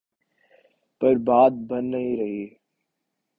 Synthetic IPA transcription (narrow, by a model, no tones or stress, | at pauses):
pəɾbaːd̪̚bənːəɦĩːɾəɦiː